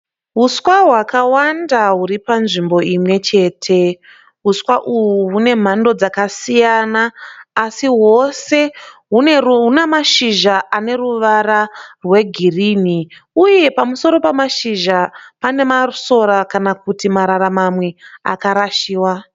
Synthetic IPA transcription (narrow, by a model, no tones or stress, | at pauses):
ɦuswaɦwakawandaɦuɾipanʐimbo̞imwe̞t͡ʃe̞ːtʰe̞ | ɦuswaʔuɦuɦune̞m̤ando̞d͡zakasijanaːsiɦo̞se̞ɦuunemaʃiʒaʔane̞ruʋaɾarwe̞ɡʱiriːniuje̞pamuso̞ɾo̞pamaʃiʒapane̞maruso̞ɾakanakutimaɾaɾamamwe̞a̰kaɾaʃiːwa